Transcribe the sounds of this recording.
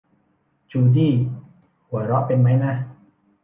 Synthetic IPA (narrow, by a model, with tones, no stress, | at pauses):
t͡ɕuː˧diː˥˩ | hu˨˩˦ɾɔ˦˥ʔpe˧nma˦˥jna˦˥